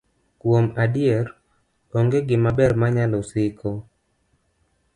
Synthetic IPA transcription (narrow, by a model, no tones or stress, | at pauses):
kwomadɪɛr | oŋɡeɡɪmabɛrmaɲalɔsɪkʰɔ